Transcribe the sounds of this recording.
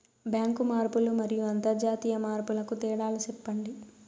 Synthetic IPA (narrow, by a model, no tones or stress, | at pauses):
bjaːŋkumaːɾpulumɐɾijuɐnt̪ɐɾd͡ʒaːt̪iːjɐmaːɾpulɐkut̪ɛːɽaːlusɛpːɐɳɖi